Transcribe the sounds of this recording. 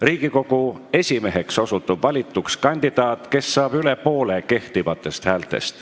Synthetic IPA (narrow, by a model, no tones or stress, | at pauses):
riːɡ̥iko̞ɡ̥ue̞sʲime̞ɦe̞kso̞sut̪ˑːub̥vɑlʲit̪ːˑukskɑnʲd̪̥id̪̥ɑːt̪ˑke̞sːɑːb̥yle̞po̞ːleke̞ht̪ivɑt̪ˑːe̞st̪hæːlt̪ˑe̞̰st̪